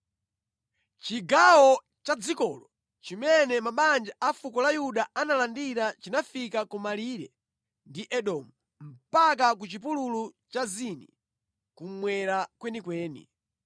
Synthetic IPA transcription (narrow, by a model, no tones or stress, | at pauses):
t͡ʃiɡawɔ | t͡ʃad͡zikɔːlɔ | t͡ʃimɛnɛmaɓand͡ʒaʔafukɔlajuɗaanalandiɾat͡ʃinafikakumaliːɾɛ̰ | ndiʔɛɗɔːmu | m̩pak̬akut͡ʃip̬ululut͡ʃazinḭ | kum̩mwɛɾakwɛnikwɛːnḭ